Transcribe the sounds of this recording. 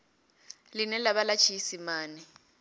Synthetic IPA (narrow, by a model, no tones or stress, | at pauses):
linɛlaβalat͡ʃʰisimaːnɛ